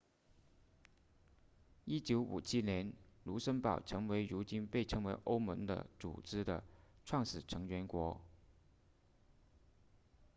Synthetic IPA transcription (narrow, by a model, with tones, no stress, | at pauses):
i˥t͡ɕjo˧˥ʊṵ˨˩t͡ɕʰi˥njɛ˧˥nlu˧˥ʂə˥npɑ˨˩ʊʈ͡ʂʰɤ˧˥ŋwe˧˥ɪɻu˧˥t͡ɕi˥npe˥˩ɪʈ͡ʂʰɤ˧˥ŋwe˧˥ɪʔo˥ʊmɤ˧˥ŋd̪ə̰˧t͡sṵ˨˩ʈ͡ʂɻ̩˥d̪ə̰˨ʈ͡ʂʰwɑ˥˩ŋʂ̩˨˩ʈ͡ʂʰɤ˧˥ŋɥɛ˧˥nkwɔ˧˥